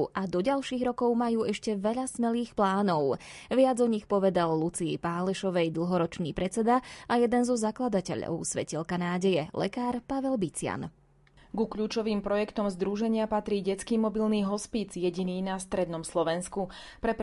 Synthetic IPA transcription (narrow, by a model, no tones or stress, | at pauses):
ʔad̪ɔɟalʃiːɣɾɔkɔʊmajuːɛʃcɛʋɛʎasmɛliːxplaːnɔʊʋɪad͡zɔɲixpɔʋɛd̪alːut͡siɛ̰paːlɛʃɔʋɛjd̪l̩ˠɦɔɾɔt͡ʃniːpɾɛt͡sɛd̪aajɛd̪ɛnzɔzaklad̪acɛ̰ʎɔ̰ʊsʋɛ̰cilkanaːɟɛjɛlɛ̰kaːɾpaʋɛlbit͡sɪa̰n | ɡukʎuːt͡ʃɔʋiːmpɾɔjɛkt̪ɔmzd̪ɾuʒɛɲɪapat̪ɾiːɟɛt͡skiːmɔbilniːɦɔspit͡sjɛɟiniːnast̪ɾɛd̪nɔmslɔʋɛnsku | pɾɛp